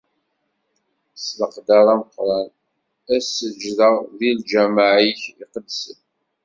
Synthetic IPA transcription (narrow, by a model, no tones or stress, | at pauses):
sləqd̪aɾˤæməqɾˤɑn | æsəd͡ʒðəʁðild͡ʒæmaʕiçiqəd̪sən